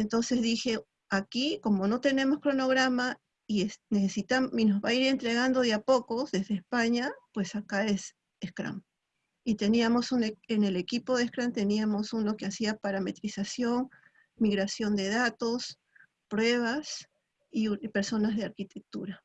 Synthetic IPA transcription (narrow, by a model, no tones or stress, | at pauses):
ent̪o̞nse̞zðixe̞ | akiko̞mo̞no̞t̪e̞ne̞mo̞skɾono̞ɣɾama | iesnesesit̪aino̞zβaiɾe̞nt̪ɾe̞ɣand̪o̞ðjapo̞ko̞zðe̞zðeːspaɲapwe̞sakaes | eskɾa̰m | it̪e̞niamo̞suneene̞le̞kipo̞ðehkɾamt̪e̞niamo̞suno̞keasiapaɾame̞t̪ɾisasjo̞ŋ | miɣɾasjo̞nd̪e̞ð̞at̪o̞s | pɾwe̞β̞as | ipe̞ɾso̞nazð̞e̞aɾkit̪ek̚t̪uɾa